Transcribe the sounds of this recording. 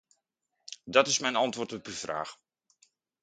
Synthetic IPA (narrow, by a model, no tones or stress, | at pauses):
dɑtɪsmɛjnɑntʋʊːrtɔpəvra̰ːx